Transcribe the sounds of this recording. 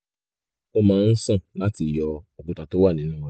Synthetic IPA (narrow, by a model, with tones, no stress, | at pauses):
o˧mãː˨˦˧n̩˦sã˦˨la˨˦ti˧˨jɔ˧o˨k͡pũ˨ta˨to˦wa˦˨nĩ˨˦nũ˦˧˦